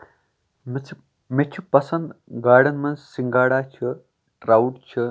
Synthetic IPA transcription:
mt͡sʰ | met͡ʃʰupɐsɐnd̪ɡaːɽɐnmɐnsiŋɡaːɽaːt͡ʃʰi | ʈɾaːwuʈt͡ʃʰi

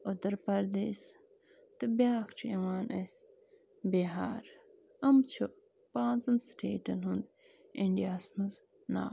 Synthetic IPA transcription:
od̪ɐɾpɐɾd̪es | t̪ɐbjaːkt͡ʃʰuɐwaːnʔɐs | beɦaːɾ | ɐmt͡ʃʰu | pãːt͡sɐnsʈʰeːʈɐnɦund̪ | iɳɖijaːsmɐz | na̰ː

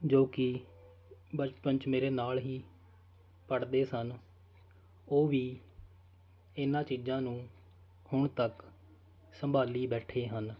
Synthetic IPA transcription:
d͡ʒoːkɪ | bət͡ʃpəɲt͡ʃmeːɾeːnaːlɦiː | pəɽd̪eːsən | oːʋiː | ɪnãːt͡ʃiːzãːnũː | hʊɳt̪ək | səmbʱaːliːbɛːʈʰeːɦən

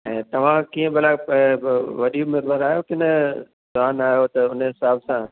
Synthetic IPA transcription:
ɛ̰̃ːt̪ɐʋ̤ãkiːə̃bɐlaː | ʋɐɗiʊmeːd̪ʋaːɾaːɦjokɪnə | zʊaːnaːɦjot̪ɐʊnəɦɪsaːbsã

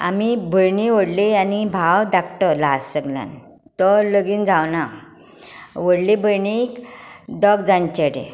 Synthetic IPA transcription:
a̰mibʱəɳiʋəɽlianibʱawd̪akʰʈəɾlasəɡlja̰n | t̪ɔləɡiːnd͡zawna | ʋəɽlibəjɳikd̪ɔɡd͡zãɲt͡ɕeɽḛ

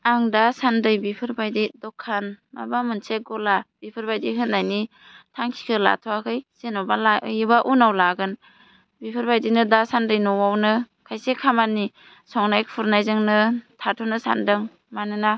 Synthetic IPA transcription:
aŋdasandɯjbipʰɯɾbajdidɔkʰːanma̰bamɯnseɡɔlab̥ipʰɯɾbajdiɦɯndajni | tʰaŋkʰi̥kʰɯla̰tʰɔwakʰɯjz̥enɔbalajibaʔunawlaɡɯn | bipʰɯɾbajdinɯdasandɯjnɔwawnɯ | kʰajsekʰamani | sɔŋnajkpʰuɾnajzɯŋnɯtʰatʰɔnɯsa̰ndɯŋ | manɯna

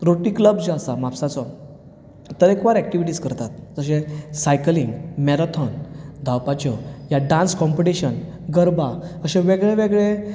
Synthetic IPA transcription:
ɾoʈikləbd͡ʑəsamapsat͡sɔ | t̪əɾekʋaɾɛk̚ʈiʋiʈiːskəɾt̪at̪̚d͡zəɕẽsajkliŋɡmɛɾat̪ʰɔnd̪ʱawpat͡ɕɔjaɖãnskɔmpiʈiɕən | ɡəɾbaəɕeʋeɡɭeʋeɡɭe

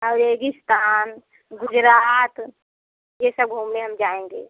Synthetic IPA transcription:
əɾeːɡɪst̪aːn | ɡʊd͡ʒɾaːt̪ | jesəb̚ɡʱuːmneɦɐmd͡ʒaːẽːŋɡḛː

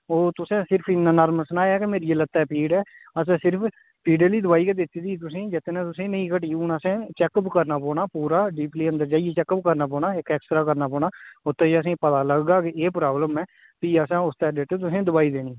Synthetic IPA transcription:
oːt̪ʊsẽːsɪɾpʰɪnːãːnaːɾməlsənaːjaːkemeːɾieːlət̪ːɛːpiːɖɛːəs̬ẽːsɪɾpʰ | piːɖəliːd̪ʊʋaːiːked̪ɪt̪ːid̪iːt̪̬ʊsẽːd͡ʒɪt̪ːnãːt̪ʊsẽːnəĩːkəʈiːʊnəsẽːt͡ʃɛːkəpkəɾnaːpɔ̃ːnaːpuːɾaːɖiːpliːənd̪əɾd͡ʒaːiet͡ʃɛːkəpkəɾnaːp̬ɔːnaːɪkɛːksʈ̪ɾaːkəɾnaːpɔːñaːʊt̪ːẽːd͡ʒəs̬ẽːpət̪aːləɡːaːkeeːpɾaːbləmɛː | p̪iːəsãːʊst̪ɛːɖeːʈ̪ːeːt̪ʊsẽːd̪ʊbaːiːd̪eːniː

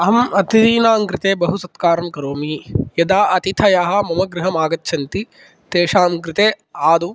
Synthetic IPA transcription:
ɐɦɐmɐt̪id̪iːnaːŋkɾɪt̪eːbɐɦusɐt̪kaːɾɐmkɐɾoːmijɐd̪aːʔɐt̪it̪ʰɐjaːɦɐ̆mɐmɐɡɾɪɦɐmaːɡɐt̪ːʃʰɐnt̪i | t̪eːʃaːmkɾɪt̪eː | aːd̪u

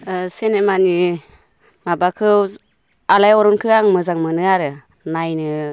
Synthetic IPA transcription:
senemani | mabakʰɯw | alajɔɾɔnkʰɯaŋmɯzaŋmɯnɯaɾɯ | najnɯ

